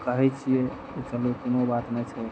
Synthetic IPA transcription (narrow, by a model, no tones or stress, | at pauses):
kəɦɛt͡ʃʰie | et͡ʃəlukonobat̪nɛt͡ʃʰɛ